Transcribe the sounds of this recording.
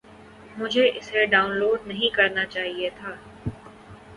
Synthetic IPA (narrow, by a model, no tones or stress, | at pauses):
mʊd͡ʒʱeʔɪseɖaːʊ̃nloːɖ̚nɐɦĩkɐɾnat͡ʃaːɦiet̪ʰaː